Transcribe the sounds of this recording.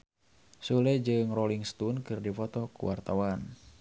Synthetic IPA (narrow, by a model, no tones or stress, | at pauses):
sulɛd͡ʒɨŋrɔliŋst̪unkɨrdifɔt̪ɔkṵwʔa̰rt̪awan